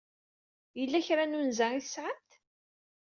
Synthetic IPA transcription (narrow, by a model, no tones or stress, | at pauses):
jəlːæçɾanunzæiθəsːʕət̪